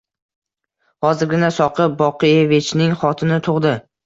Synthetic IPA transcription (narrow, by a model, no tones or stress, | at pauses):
hɒzɪɾɡʲɪnasɒqʰɨpbɒqɨjevɪt͡ʃnɪŋχɒt̪ʰɪnɪt̪ʰʊʁd̪ɪ